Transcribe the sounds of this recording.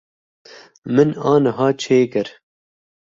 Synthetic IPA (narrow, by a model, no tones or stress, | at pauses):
mɨnɑːnɨɦɑːt͡ʃʰeːkɨɾ